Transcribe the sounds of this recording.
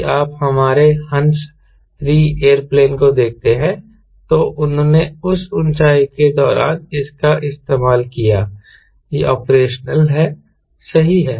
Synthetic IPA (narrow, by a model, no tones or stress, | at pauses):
aːphɐmaːɾehɐ̃ns | ɾiːeːəɾpleːnkod̪eːk̚ʰt̪eɦɛ̃ | t̪oːʔʊnɦõːneʊsʊnt͡ʃaːiked̪ɔːɾa̰ːnɪskaʔɪst̪eːmaːlkijaː | jeʔɔːpɾeːʃnəlɦɛ | sɐɦiɦɛː